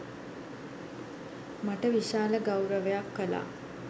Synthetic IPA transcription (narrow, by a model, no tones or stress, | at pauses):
maʈəʋiʃaːləɡawɾəʋejakːəla̰ː